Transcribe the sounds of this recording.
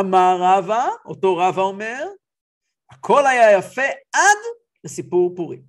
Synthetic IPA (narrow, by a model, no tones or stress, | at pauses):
amaʁavaoto̞ʁavaome̞ʁ | akʰo̞lajajafe̞ad̪ | lesipuʁpuʁi